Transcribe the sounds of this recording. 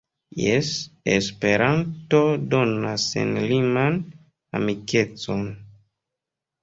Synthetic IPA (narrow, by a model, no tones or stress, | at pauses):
jesespe̞ɾʔanto̞do̞nasḛnliman | a̰mike̞t͡so̞n